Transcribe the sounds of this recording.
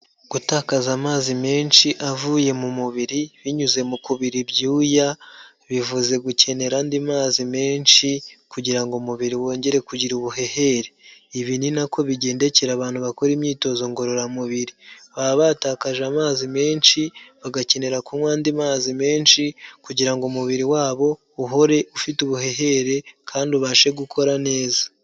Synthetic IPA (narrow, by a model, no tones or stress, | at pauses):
ɡ̥utaːkazamaːzime̞ːnʃiʔavuːje̞mumuβiɾiβiɲuze̞mukuβiɾibɟuːja | βivuze̞ɡuce̞ne̞ɾaːndimaːzime̞ːnʃikuɟiɾaŋɡomuβiɾiwo̞ːɲɟe̞ɾe̞kuɟiɾuβuɦe̞he̞ɾeiβininakʰo̞βiɟe̞ːnde̞ceɾaβaːnhuβako̞ɾimɲiːto̞zo̞ŋɡo̞ɾo̞ɾamuβiɾiβaβataːkaʒamaːzime̞ːnʃiβaɡace̞ne̞ɾakumwaːndimaːzime̞ːnʃikuɟiɾaŋɡomuβiɾiwaːβo̞ | uɦo̞ɾe̞ufituβuɦe̞ɦe̞ɾe̞kʰaːnduβaʃe̞ɡukʰo̞ɾane̞ːza